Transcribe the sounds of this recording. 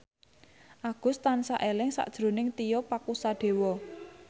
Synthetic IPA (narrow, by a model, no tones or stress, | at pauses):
ʔaɡ̥ʊ̤st̪ansa̰ʔelɪŋsa̰ʔd̥ʒ̥ɾo̤nɪŋt̪ijɔpakusaɖ̥e̤wɔ